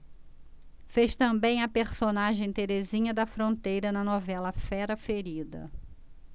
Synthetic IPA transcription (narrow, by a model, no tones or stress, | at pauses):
feʃt̪ɐ̃mbẽj̃ɐpeɾsonaʒẽj̃t̪eɾezĩɲɐd̪ɐfɾõnt̪ejɾɐnɐnɔvɛlɐfɛɾɐfeɾid̪ɐ̰